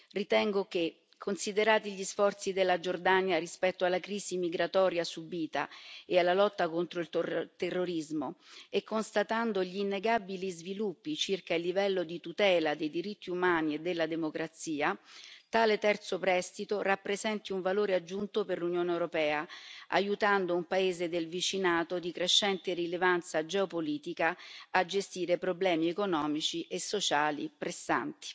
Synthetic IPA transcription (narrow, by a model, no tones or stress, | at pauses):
rit̪ɛŋɡoke | kʰːonsid̪eɾaːt̪iʎisfɔrt̪sid̪elːad͡ʒord̪anjarispɛt̪ːoalːakɾiːsimiɡɾat̪ɔːɾjasubiːt̪a̰ealːalɔt̪ːakont̪ɾoilt̪t̪erːoɾizmoekːonst̪at̪and̪oʎiːnːeɡabilizvilupːit͡ʃirkailːivɛlːod̪it̪ut̪ɛːlad̪ejd̪iɾit̪ːiumaːnied̪ːelːad̪emokɾat̪siːat̪aːlet̪ɛrt̪sopɾɛst̪it̪orapːɾezɛnt̪iuɱvaloːɾead͡ʒːunt̪operlunjoːneewɾopɛːaa̰jut̪and̪oumpaeːzed̪elvit͡ʃinaːt̪od̪ikɾeʃːɛnt̪erilevant̪sad͡ʒɛopoliːt̪ikaad͡ʒest̪iːɾepɾoblɛːmiekonɔːmit͡ʃiʔesːot͡ʃaːlḭpɾesːa̰nt̪i̥